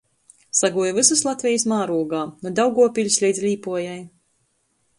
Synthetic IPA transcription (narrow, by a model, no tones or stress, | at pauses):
saɡuɔjvɨsuslˠat̪ʲvʲɛjəsmaːɾuɔɡaːnɔd̪awɡuɔpʲilʲsʲlʲɛjd̪zlʲiːpuɔjaj